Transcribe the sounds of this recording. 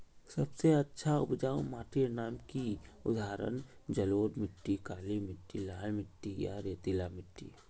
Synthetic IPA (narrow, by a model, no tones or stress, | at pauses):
sɐbseɐtːʃʰaʊ̰pd͡ʒaːʊmaːʈʰinaːmkiʊd̪ʱaːɾə̰nd͡ʒɐloːɾmɪʈːikaːlimɪʈːilaːlmɪʈːija̰ɾeːt̪ilamɪʈːḭ